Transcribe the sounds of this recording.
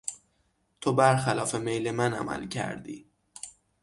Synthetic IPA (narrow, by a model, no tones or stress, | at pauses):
t̪ʰobæɾxælɒːfemejlemænæ̰mæ̰lcʰæ̰ɾd̪ḭː